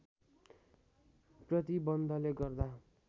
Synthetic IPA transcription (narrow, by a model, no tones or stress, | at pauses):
prʌt̪ibʌnd̪ʱʌleɡʌrd̪a